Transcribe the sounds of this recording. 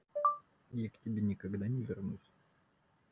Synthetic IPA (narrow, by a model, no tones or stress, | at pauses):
jaktʲɪbʲenʲɪkɐɡd̪anʲɪvʲɪrnusʲ